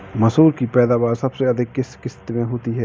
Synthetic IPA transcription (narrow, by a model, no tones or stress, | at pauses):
mɐsuːɾkipɛːd̪aːʋaːɾsɐbseɐd̪ʱɪkːɪskɪst̪mẽɦoːt̪iɦɛː